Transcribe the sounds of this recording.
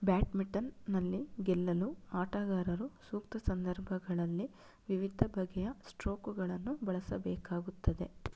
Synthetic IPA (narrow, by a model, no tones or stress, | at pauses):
bjaːʈmiʈɐnːɐlːiɡɛlːɐluaːʈaːɡaːɾɐɾusuːkt̪ɐsɐnd̪ʱɐɾbʱɐɡɐɭɐlːi | ʋiʋid̪ʱːɐbʱɐɡɛjɐsʈɾoːkuɡɐɭɐnːubɐɭɐsɐbɛːkaːɡut̪ːɐd̪e̞